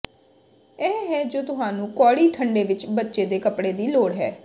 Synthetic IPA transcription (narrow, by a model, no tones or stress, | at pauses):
ɛːɦɛːd͡ʒoːt̪ʊɦaːnũːkɔːɽiːʈʰəɳɖeːʋɪt͡ʃbətːʃeːd̪eːkəpɽeːd̪iːloːɽɦɛ̰ː